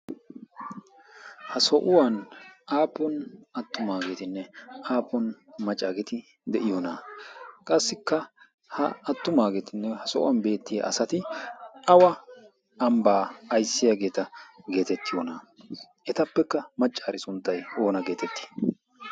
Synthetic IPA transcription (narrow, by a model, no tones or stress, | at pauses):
hɐsɔʔʊwanaːpːɔnɐt̪ːʊmaːɡeːt̪ɪnːɛaːpːɔnmɐt͡ʃʼːaːɡɛt̪ɪ | d̪ɛʔɪjonaːkʼɐsːɪkːɐ | hɐ̰ɐt̪ːʊmaːɡet̪ɪnːɛhɐsɔʔʊ̰wɐnbe̞ːt̪ːɪjɐ̰ʔɐsɐt̪ɪɐwɐ | ɐmbaːjsːɪjɐɡe̞ːt̪ɐɡe̞ːt̪ɛt̪ːɪjonaː | ɛt̪ɐpːɛkːɐmɐt͡ʃʼːaːɾɪsʊnt̪ːɐjoːnɐɡe̞ːt̪ɛt̪ːɪ̥